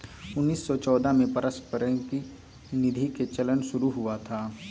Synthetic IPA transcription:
ʊnːiːsːɔt͡ʃɔːd̪ʱamẽpɐɾəspəɾə̃ki | nɪd̪ʱiket͡ʃɐlənʃʊɾuɦʊat̪ʰaː

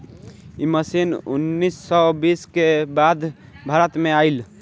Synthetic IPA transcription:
iməsinṵnːisːɔbiskebad̪ʱ | bʱaɾət̪meajl

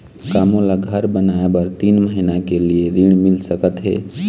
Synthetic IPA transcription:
kamolaɡʱəɾbənaebəɾt̪inməɦinakelijeɾiɽ̃milsəkət̪ɦḛ

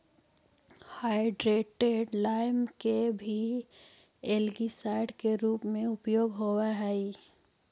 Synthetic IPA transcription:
haːɪɖɾeːʈeɖlaːɪmkebʱi | eːlɡisaːɪɖkeɾuːpmẽʊpjoːɡɦowaɦɛi

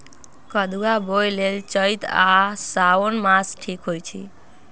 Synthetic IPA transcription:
kəd̪uabojlelt͡ʃəjt̪asaonmasʈʰikɦojt͡ʃʰḭ

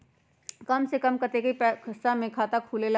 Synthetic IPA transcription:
kɐmsekɐmkɐɾt̪ekɐipɛksamẽkʰaːt̪akʰuːlel

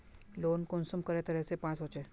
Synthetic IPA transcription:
lonkonsəmkəɾet̪əɾesepãt͡sɦot͡ɕe

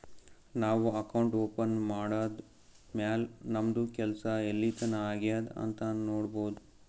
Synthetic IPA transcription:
naːʋuɐkɐwɳʈoːpɐnmaːɽaːd̪ | maːlnɐmd̪ukɛlɐsɐelːit̪ʰɐnɐaːɡijaːd̪ɐ̰nt̪ɐnoːɽboːd̪u

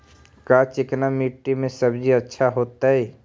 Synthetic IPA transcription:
kat͡ʃɪknamiʈːimẽsəbd͡ʒiətːʃʰaɦoːt̪aɦɛ

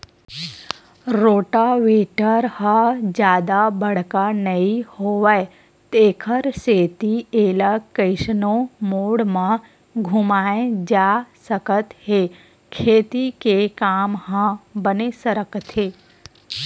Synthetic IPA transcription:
ɾoːʈaʋeʈəɾhəd͡ʒjad̪abəɽkanəɦihoʋaj | t̪ekʰəɾset̪ielakːəjʃnomoɽmã | ɡʱumaẽd͡ʒasəkət̪ɦe | kʰet̪ikekamɦãbənesəɾəkt̪ʰe

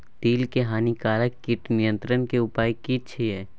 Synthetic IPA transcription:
t̪iːlkeɦaːnikaːləkːiʈnɪjə̃nt̪ɾənkeʊpaːikiʃʰiɦɛː

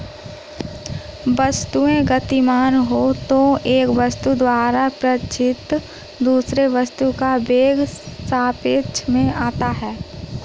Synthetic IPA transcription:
ʋəst̪uẽɡɐt̪imaːnɦot̪oeːkʋɐst̪ud̪waːɾapɾət͡ʃɪt̪ | d̪uːsɾeʋɐst̪ukabeːɡsaːpɪt͡ʃmẽaːt̪aɦɛː

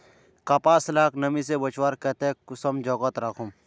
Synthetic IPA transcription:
kɐpaːsɐlaːknɐmisebɐt͡ʃwaːɾkɛt̪ekʊsɐmd͡ʒɔɡɐt̪ɾɐkʰum

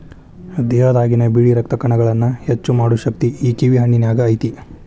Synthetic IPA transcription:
d̪ɛːɦɐd̪aːɡinɐbiːɽiɾɐk̚t̪ɐkɐɳɐɡɐɭɐnːɐhet͡ʃːumaːɽuʃɐk̚t̪iiːkiʋiɦɐɳːinjaːɡɐːjt̪i

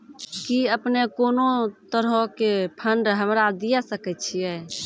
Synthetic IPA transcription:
kiəpnekonot̪əɾɦõkepʰəɳɖɦəmɾad̪ijasəkɛt̪̚t͡ʃʰijɛ

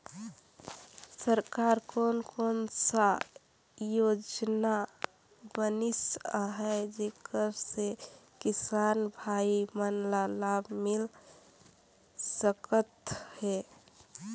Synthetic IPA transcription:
səɾkaɾkonkonsa | jod͡ʒna | bənisaɦɛd͡ʒekəɾsekisanbʱaimənlalabmil | səkət̪he

